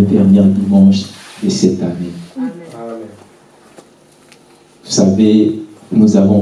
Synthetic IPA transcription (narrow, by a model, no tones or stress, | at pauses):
d̪ɛʁmjɛʁd̪imɑ̃ʃd̪əsɛt̪ane | vusavenuzavɔ̃